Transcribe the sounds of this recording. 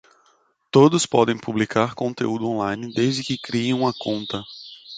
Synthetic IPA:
t̪od̪ʊspɔd̪ẽj̃publikʰaɾkõnt̪eud̪ʊõlajnɪd̪ezd̪ɪkɪkɾiẽw̃ɐkõnt̪ɐ

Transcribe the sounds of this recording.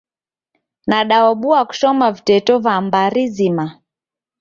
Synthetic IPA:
naɗaɔɓuaku̥sɔmavitɛtɔvambaɾizima

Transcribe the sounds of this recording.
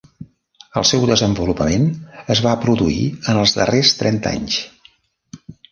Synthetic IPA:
əlˠsɛwðəzəmbulupəmenəzβapɾuðuḭənəlˠzðərest̪ɾɛnt̪a̰ɲs

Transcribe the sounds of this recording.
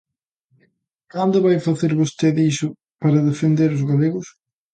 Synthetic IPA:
kand̪ʊβajfaθeɾβost̪eðisʊ | paɾɐðefend̪eɾʊzɣaleɣʊs

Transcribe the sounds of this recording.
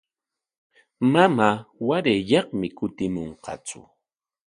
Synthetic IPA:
mamaːwaɾeʎɑχmɪkʊt̪ɪmoɴqɑ̰t͡sʊ̰

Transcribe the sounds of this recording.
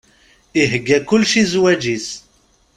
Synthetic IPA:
iɦəɡːækʊlːʃizwæd͡ʒis

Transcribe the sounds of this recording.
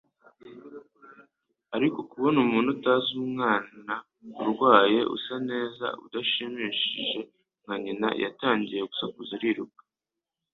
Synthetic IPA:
aɾiko̞kuβonumuːnutaːzuːmŋaːna | uɾɡwaːje̞ʔṵsane̞ːza̰ṵdaʃimiːʃiʒe̞ | ŋ̥haɲina̰jʔa̰taːɲɟije̞ɡusakuzaɾiɾukḁ

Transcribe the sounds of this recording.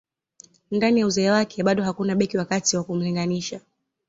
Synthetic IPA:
ndanijauzɛːwakʰɛɓaɗɔɦakunaɓɛkiwakatiwakum̩liŋɡaniʃa

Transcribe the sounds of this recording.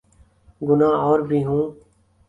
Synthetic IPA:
ɡʊnãːɔːɾbʱiːɦũː

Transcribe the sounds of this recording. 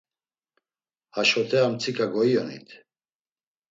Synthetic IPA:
haʃɔt̪ʰɛamt͡sʰikʰaɡɔiɔnḭt̪ʰ

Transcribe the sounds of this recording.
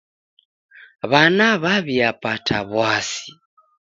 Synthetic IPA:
βanaβaβiapatʰaβwasi̥

